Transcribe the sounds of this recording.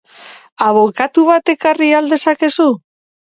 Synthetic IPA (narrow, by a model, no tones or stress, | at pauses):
aβo̞kat̪uβat̪e̞kariald̪e̞sake̞su